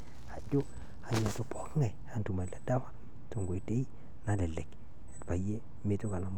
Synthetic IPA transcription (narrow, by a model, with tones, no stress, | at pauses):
a˨d͡ʒo˦ | a˨ɲo˨to˨pɔ˦kŋa˨jha˨ntu˨ma˨la˨da˦wa˦ | to˨ŋɡo˨te˦i˦ | na˦lɛ˨le˨k | ɛ˨tpa˨je˦ | mɪ˦to˦ka˨na˨m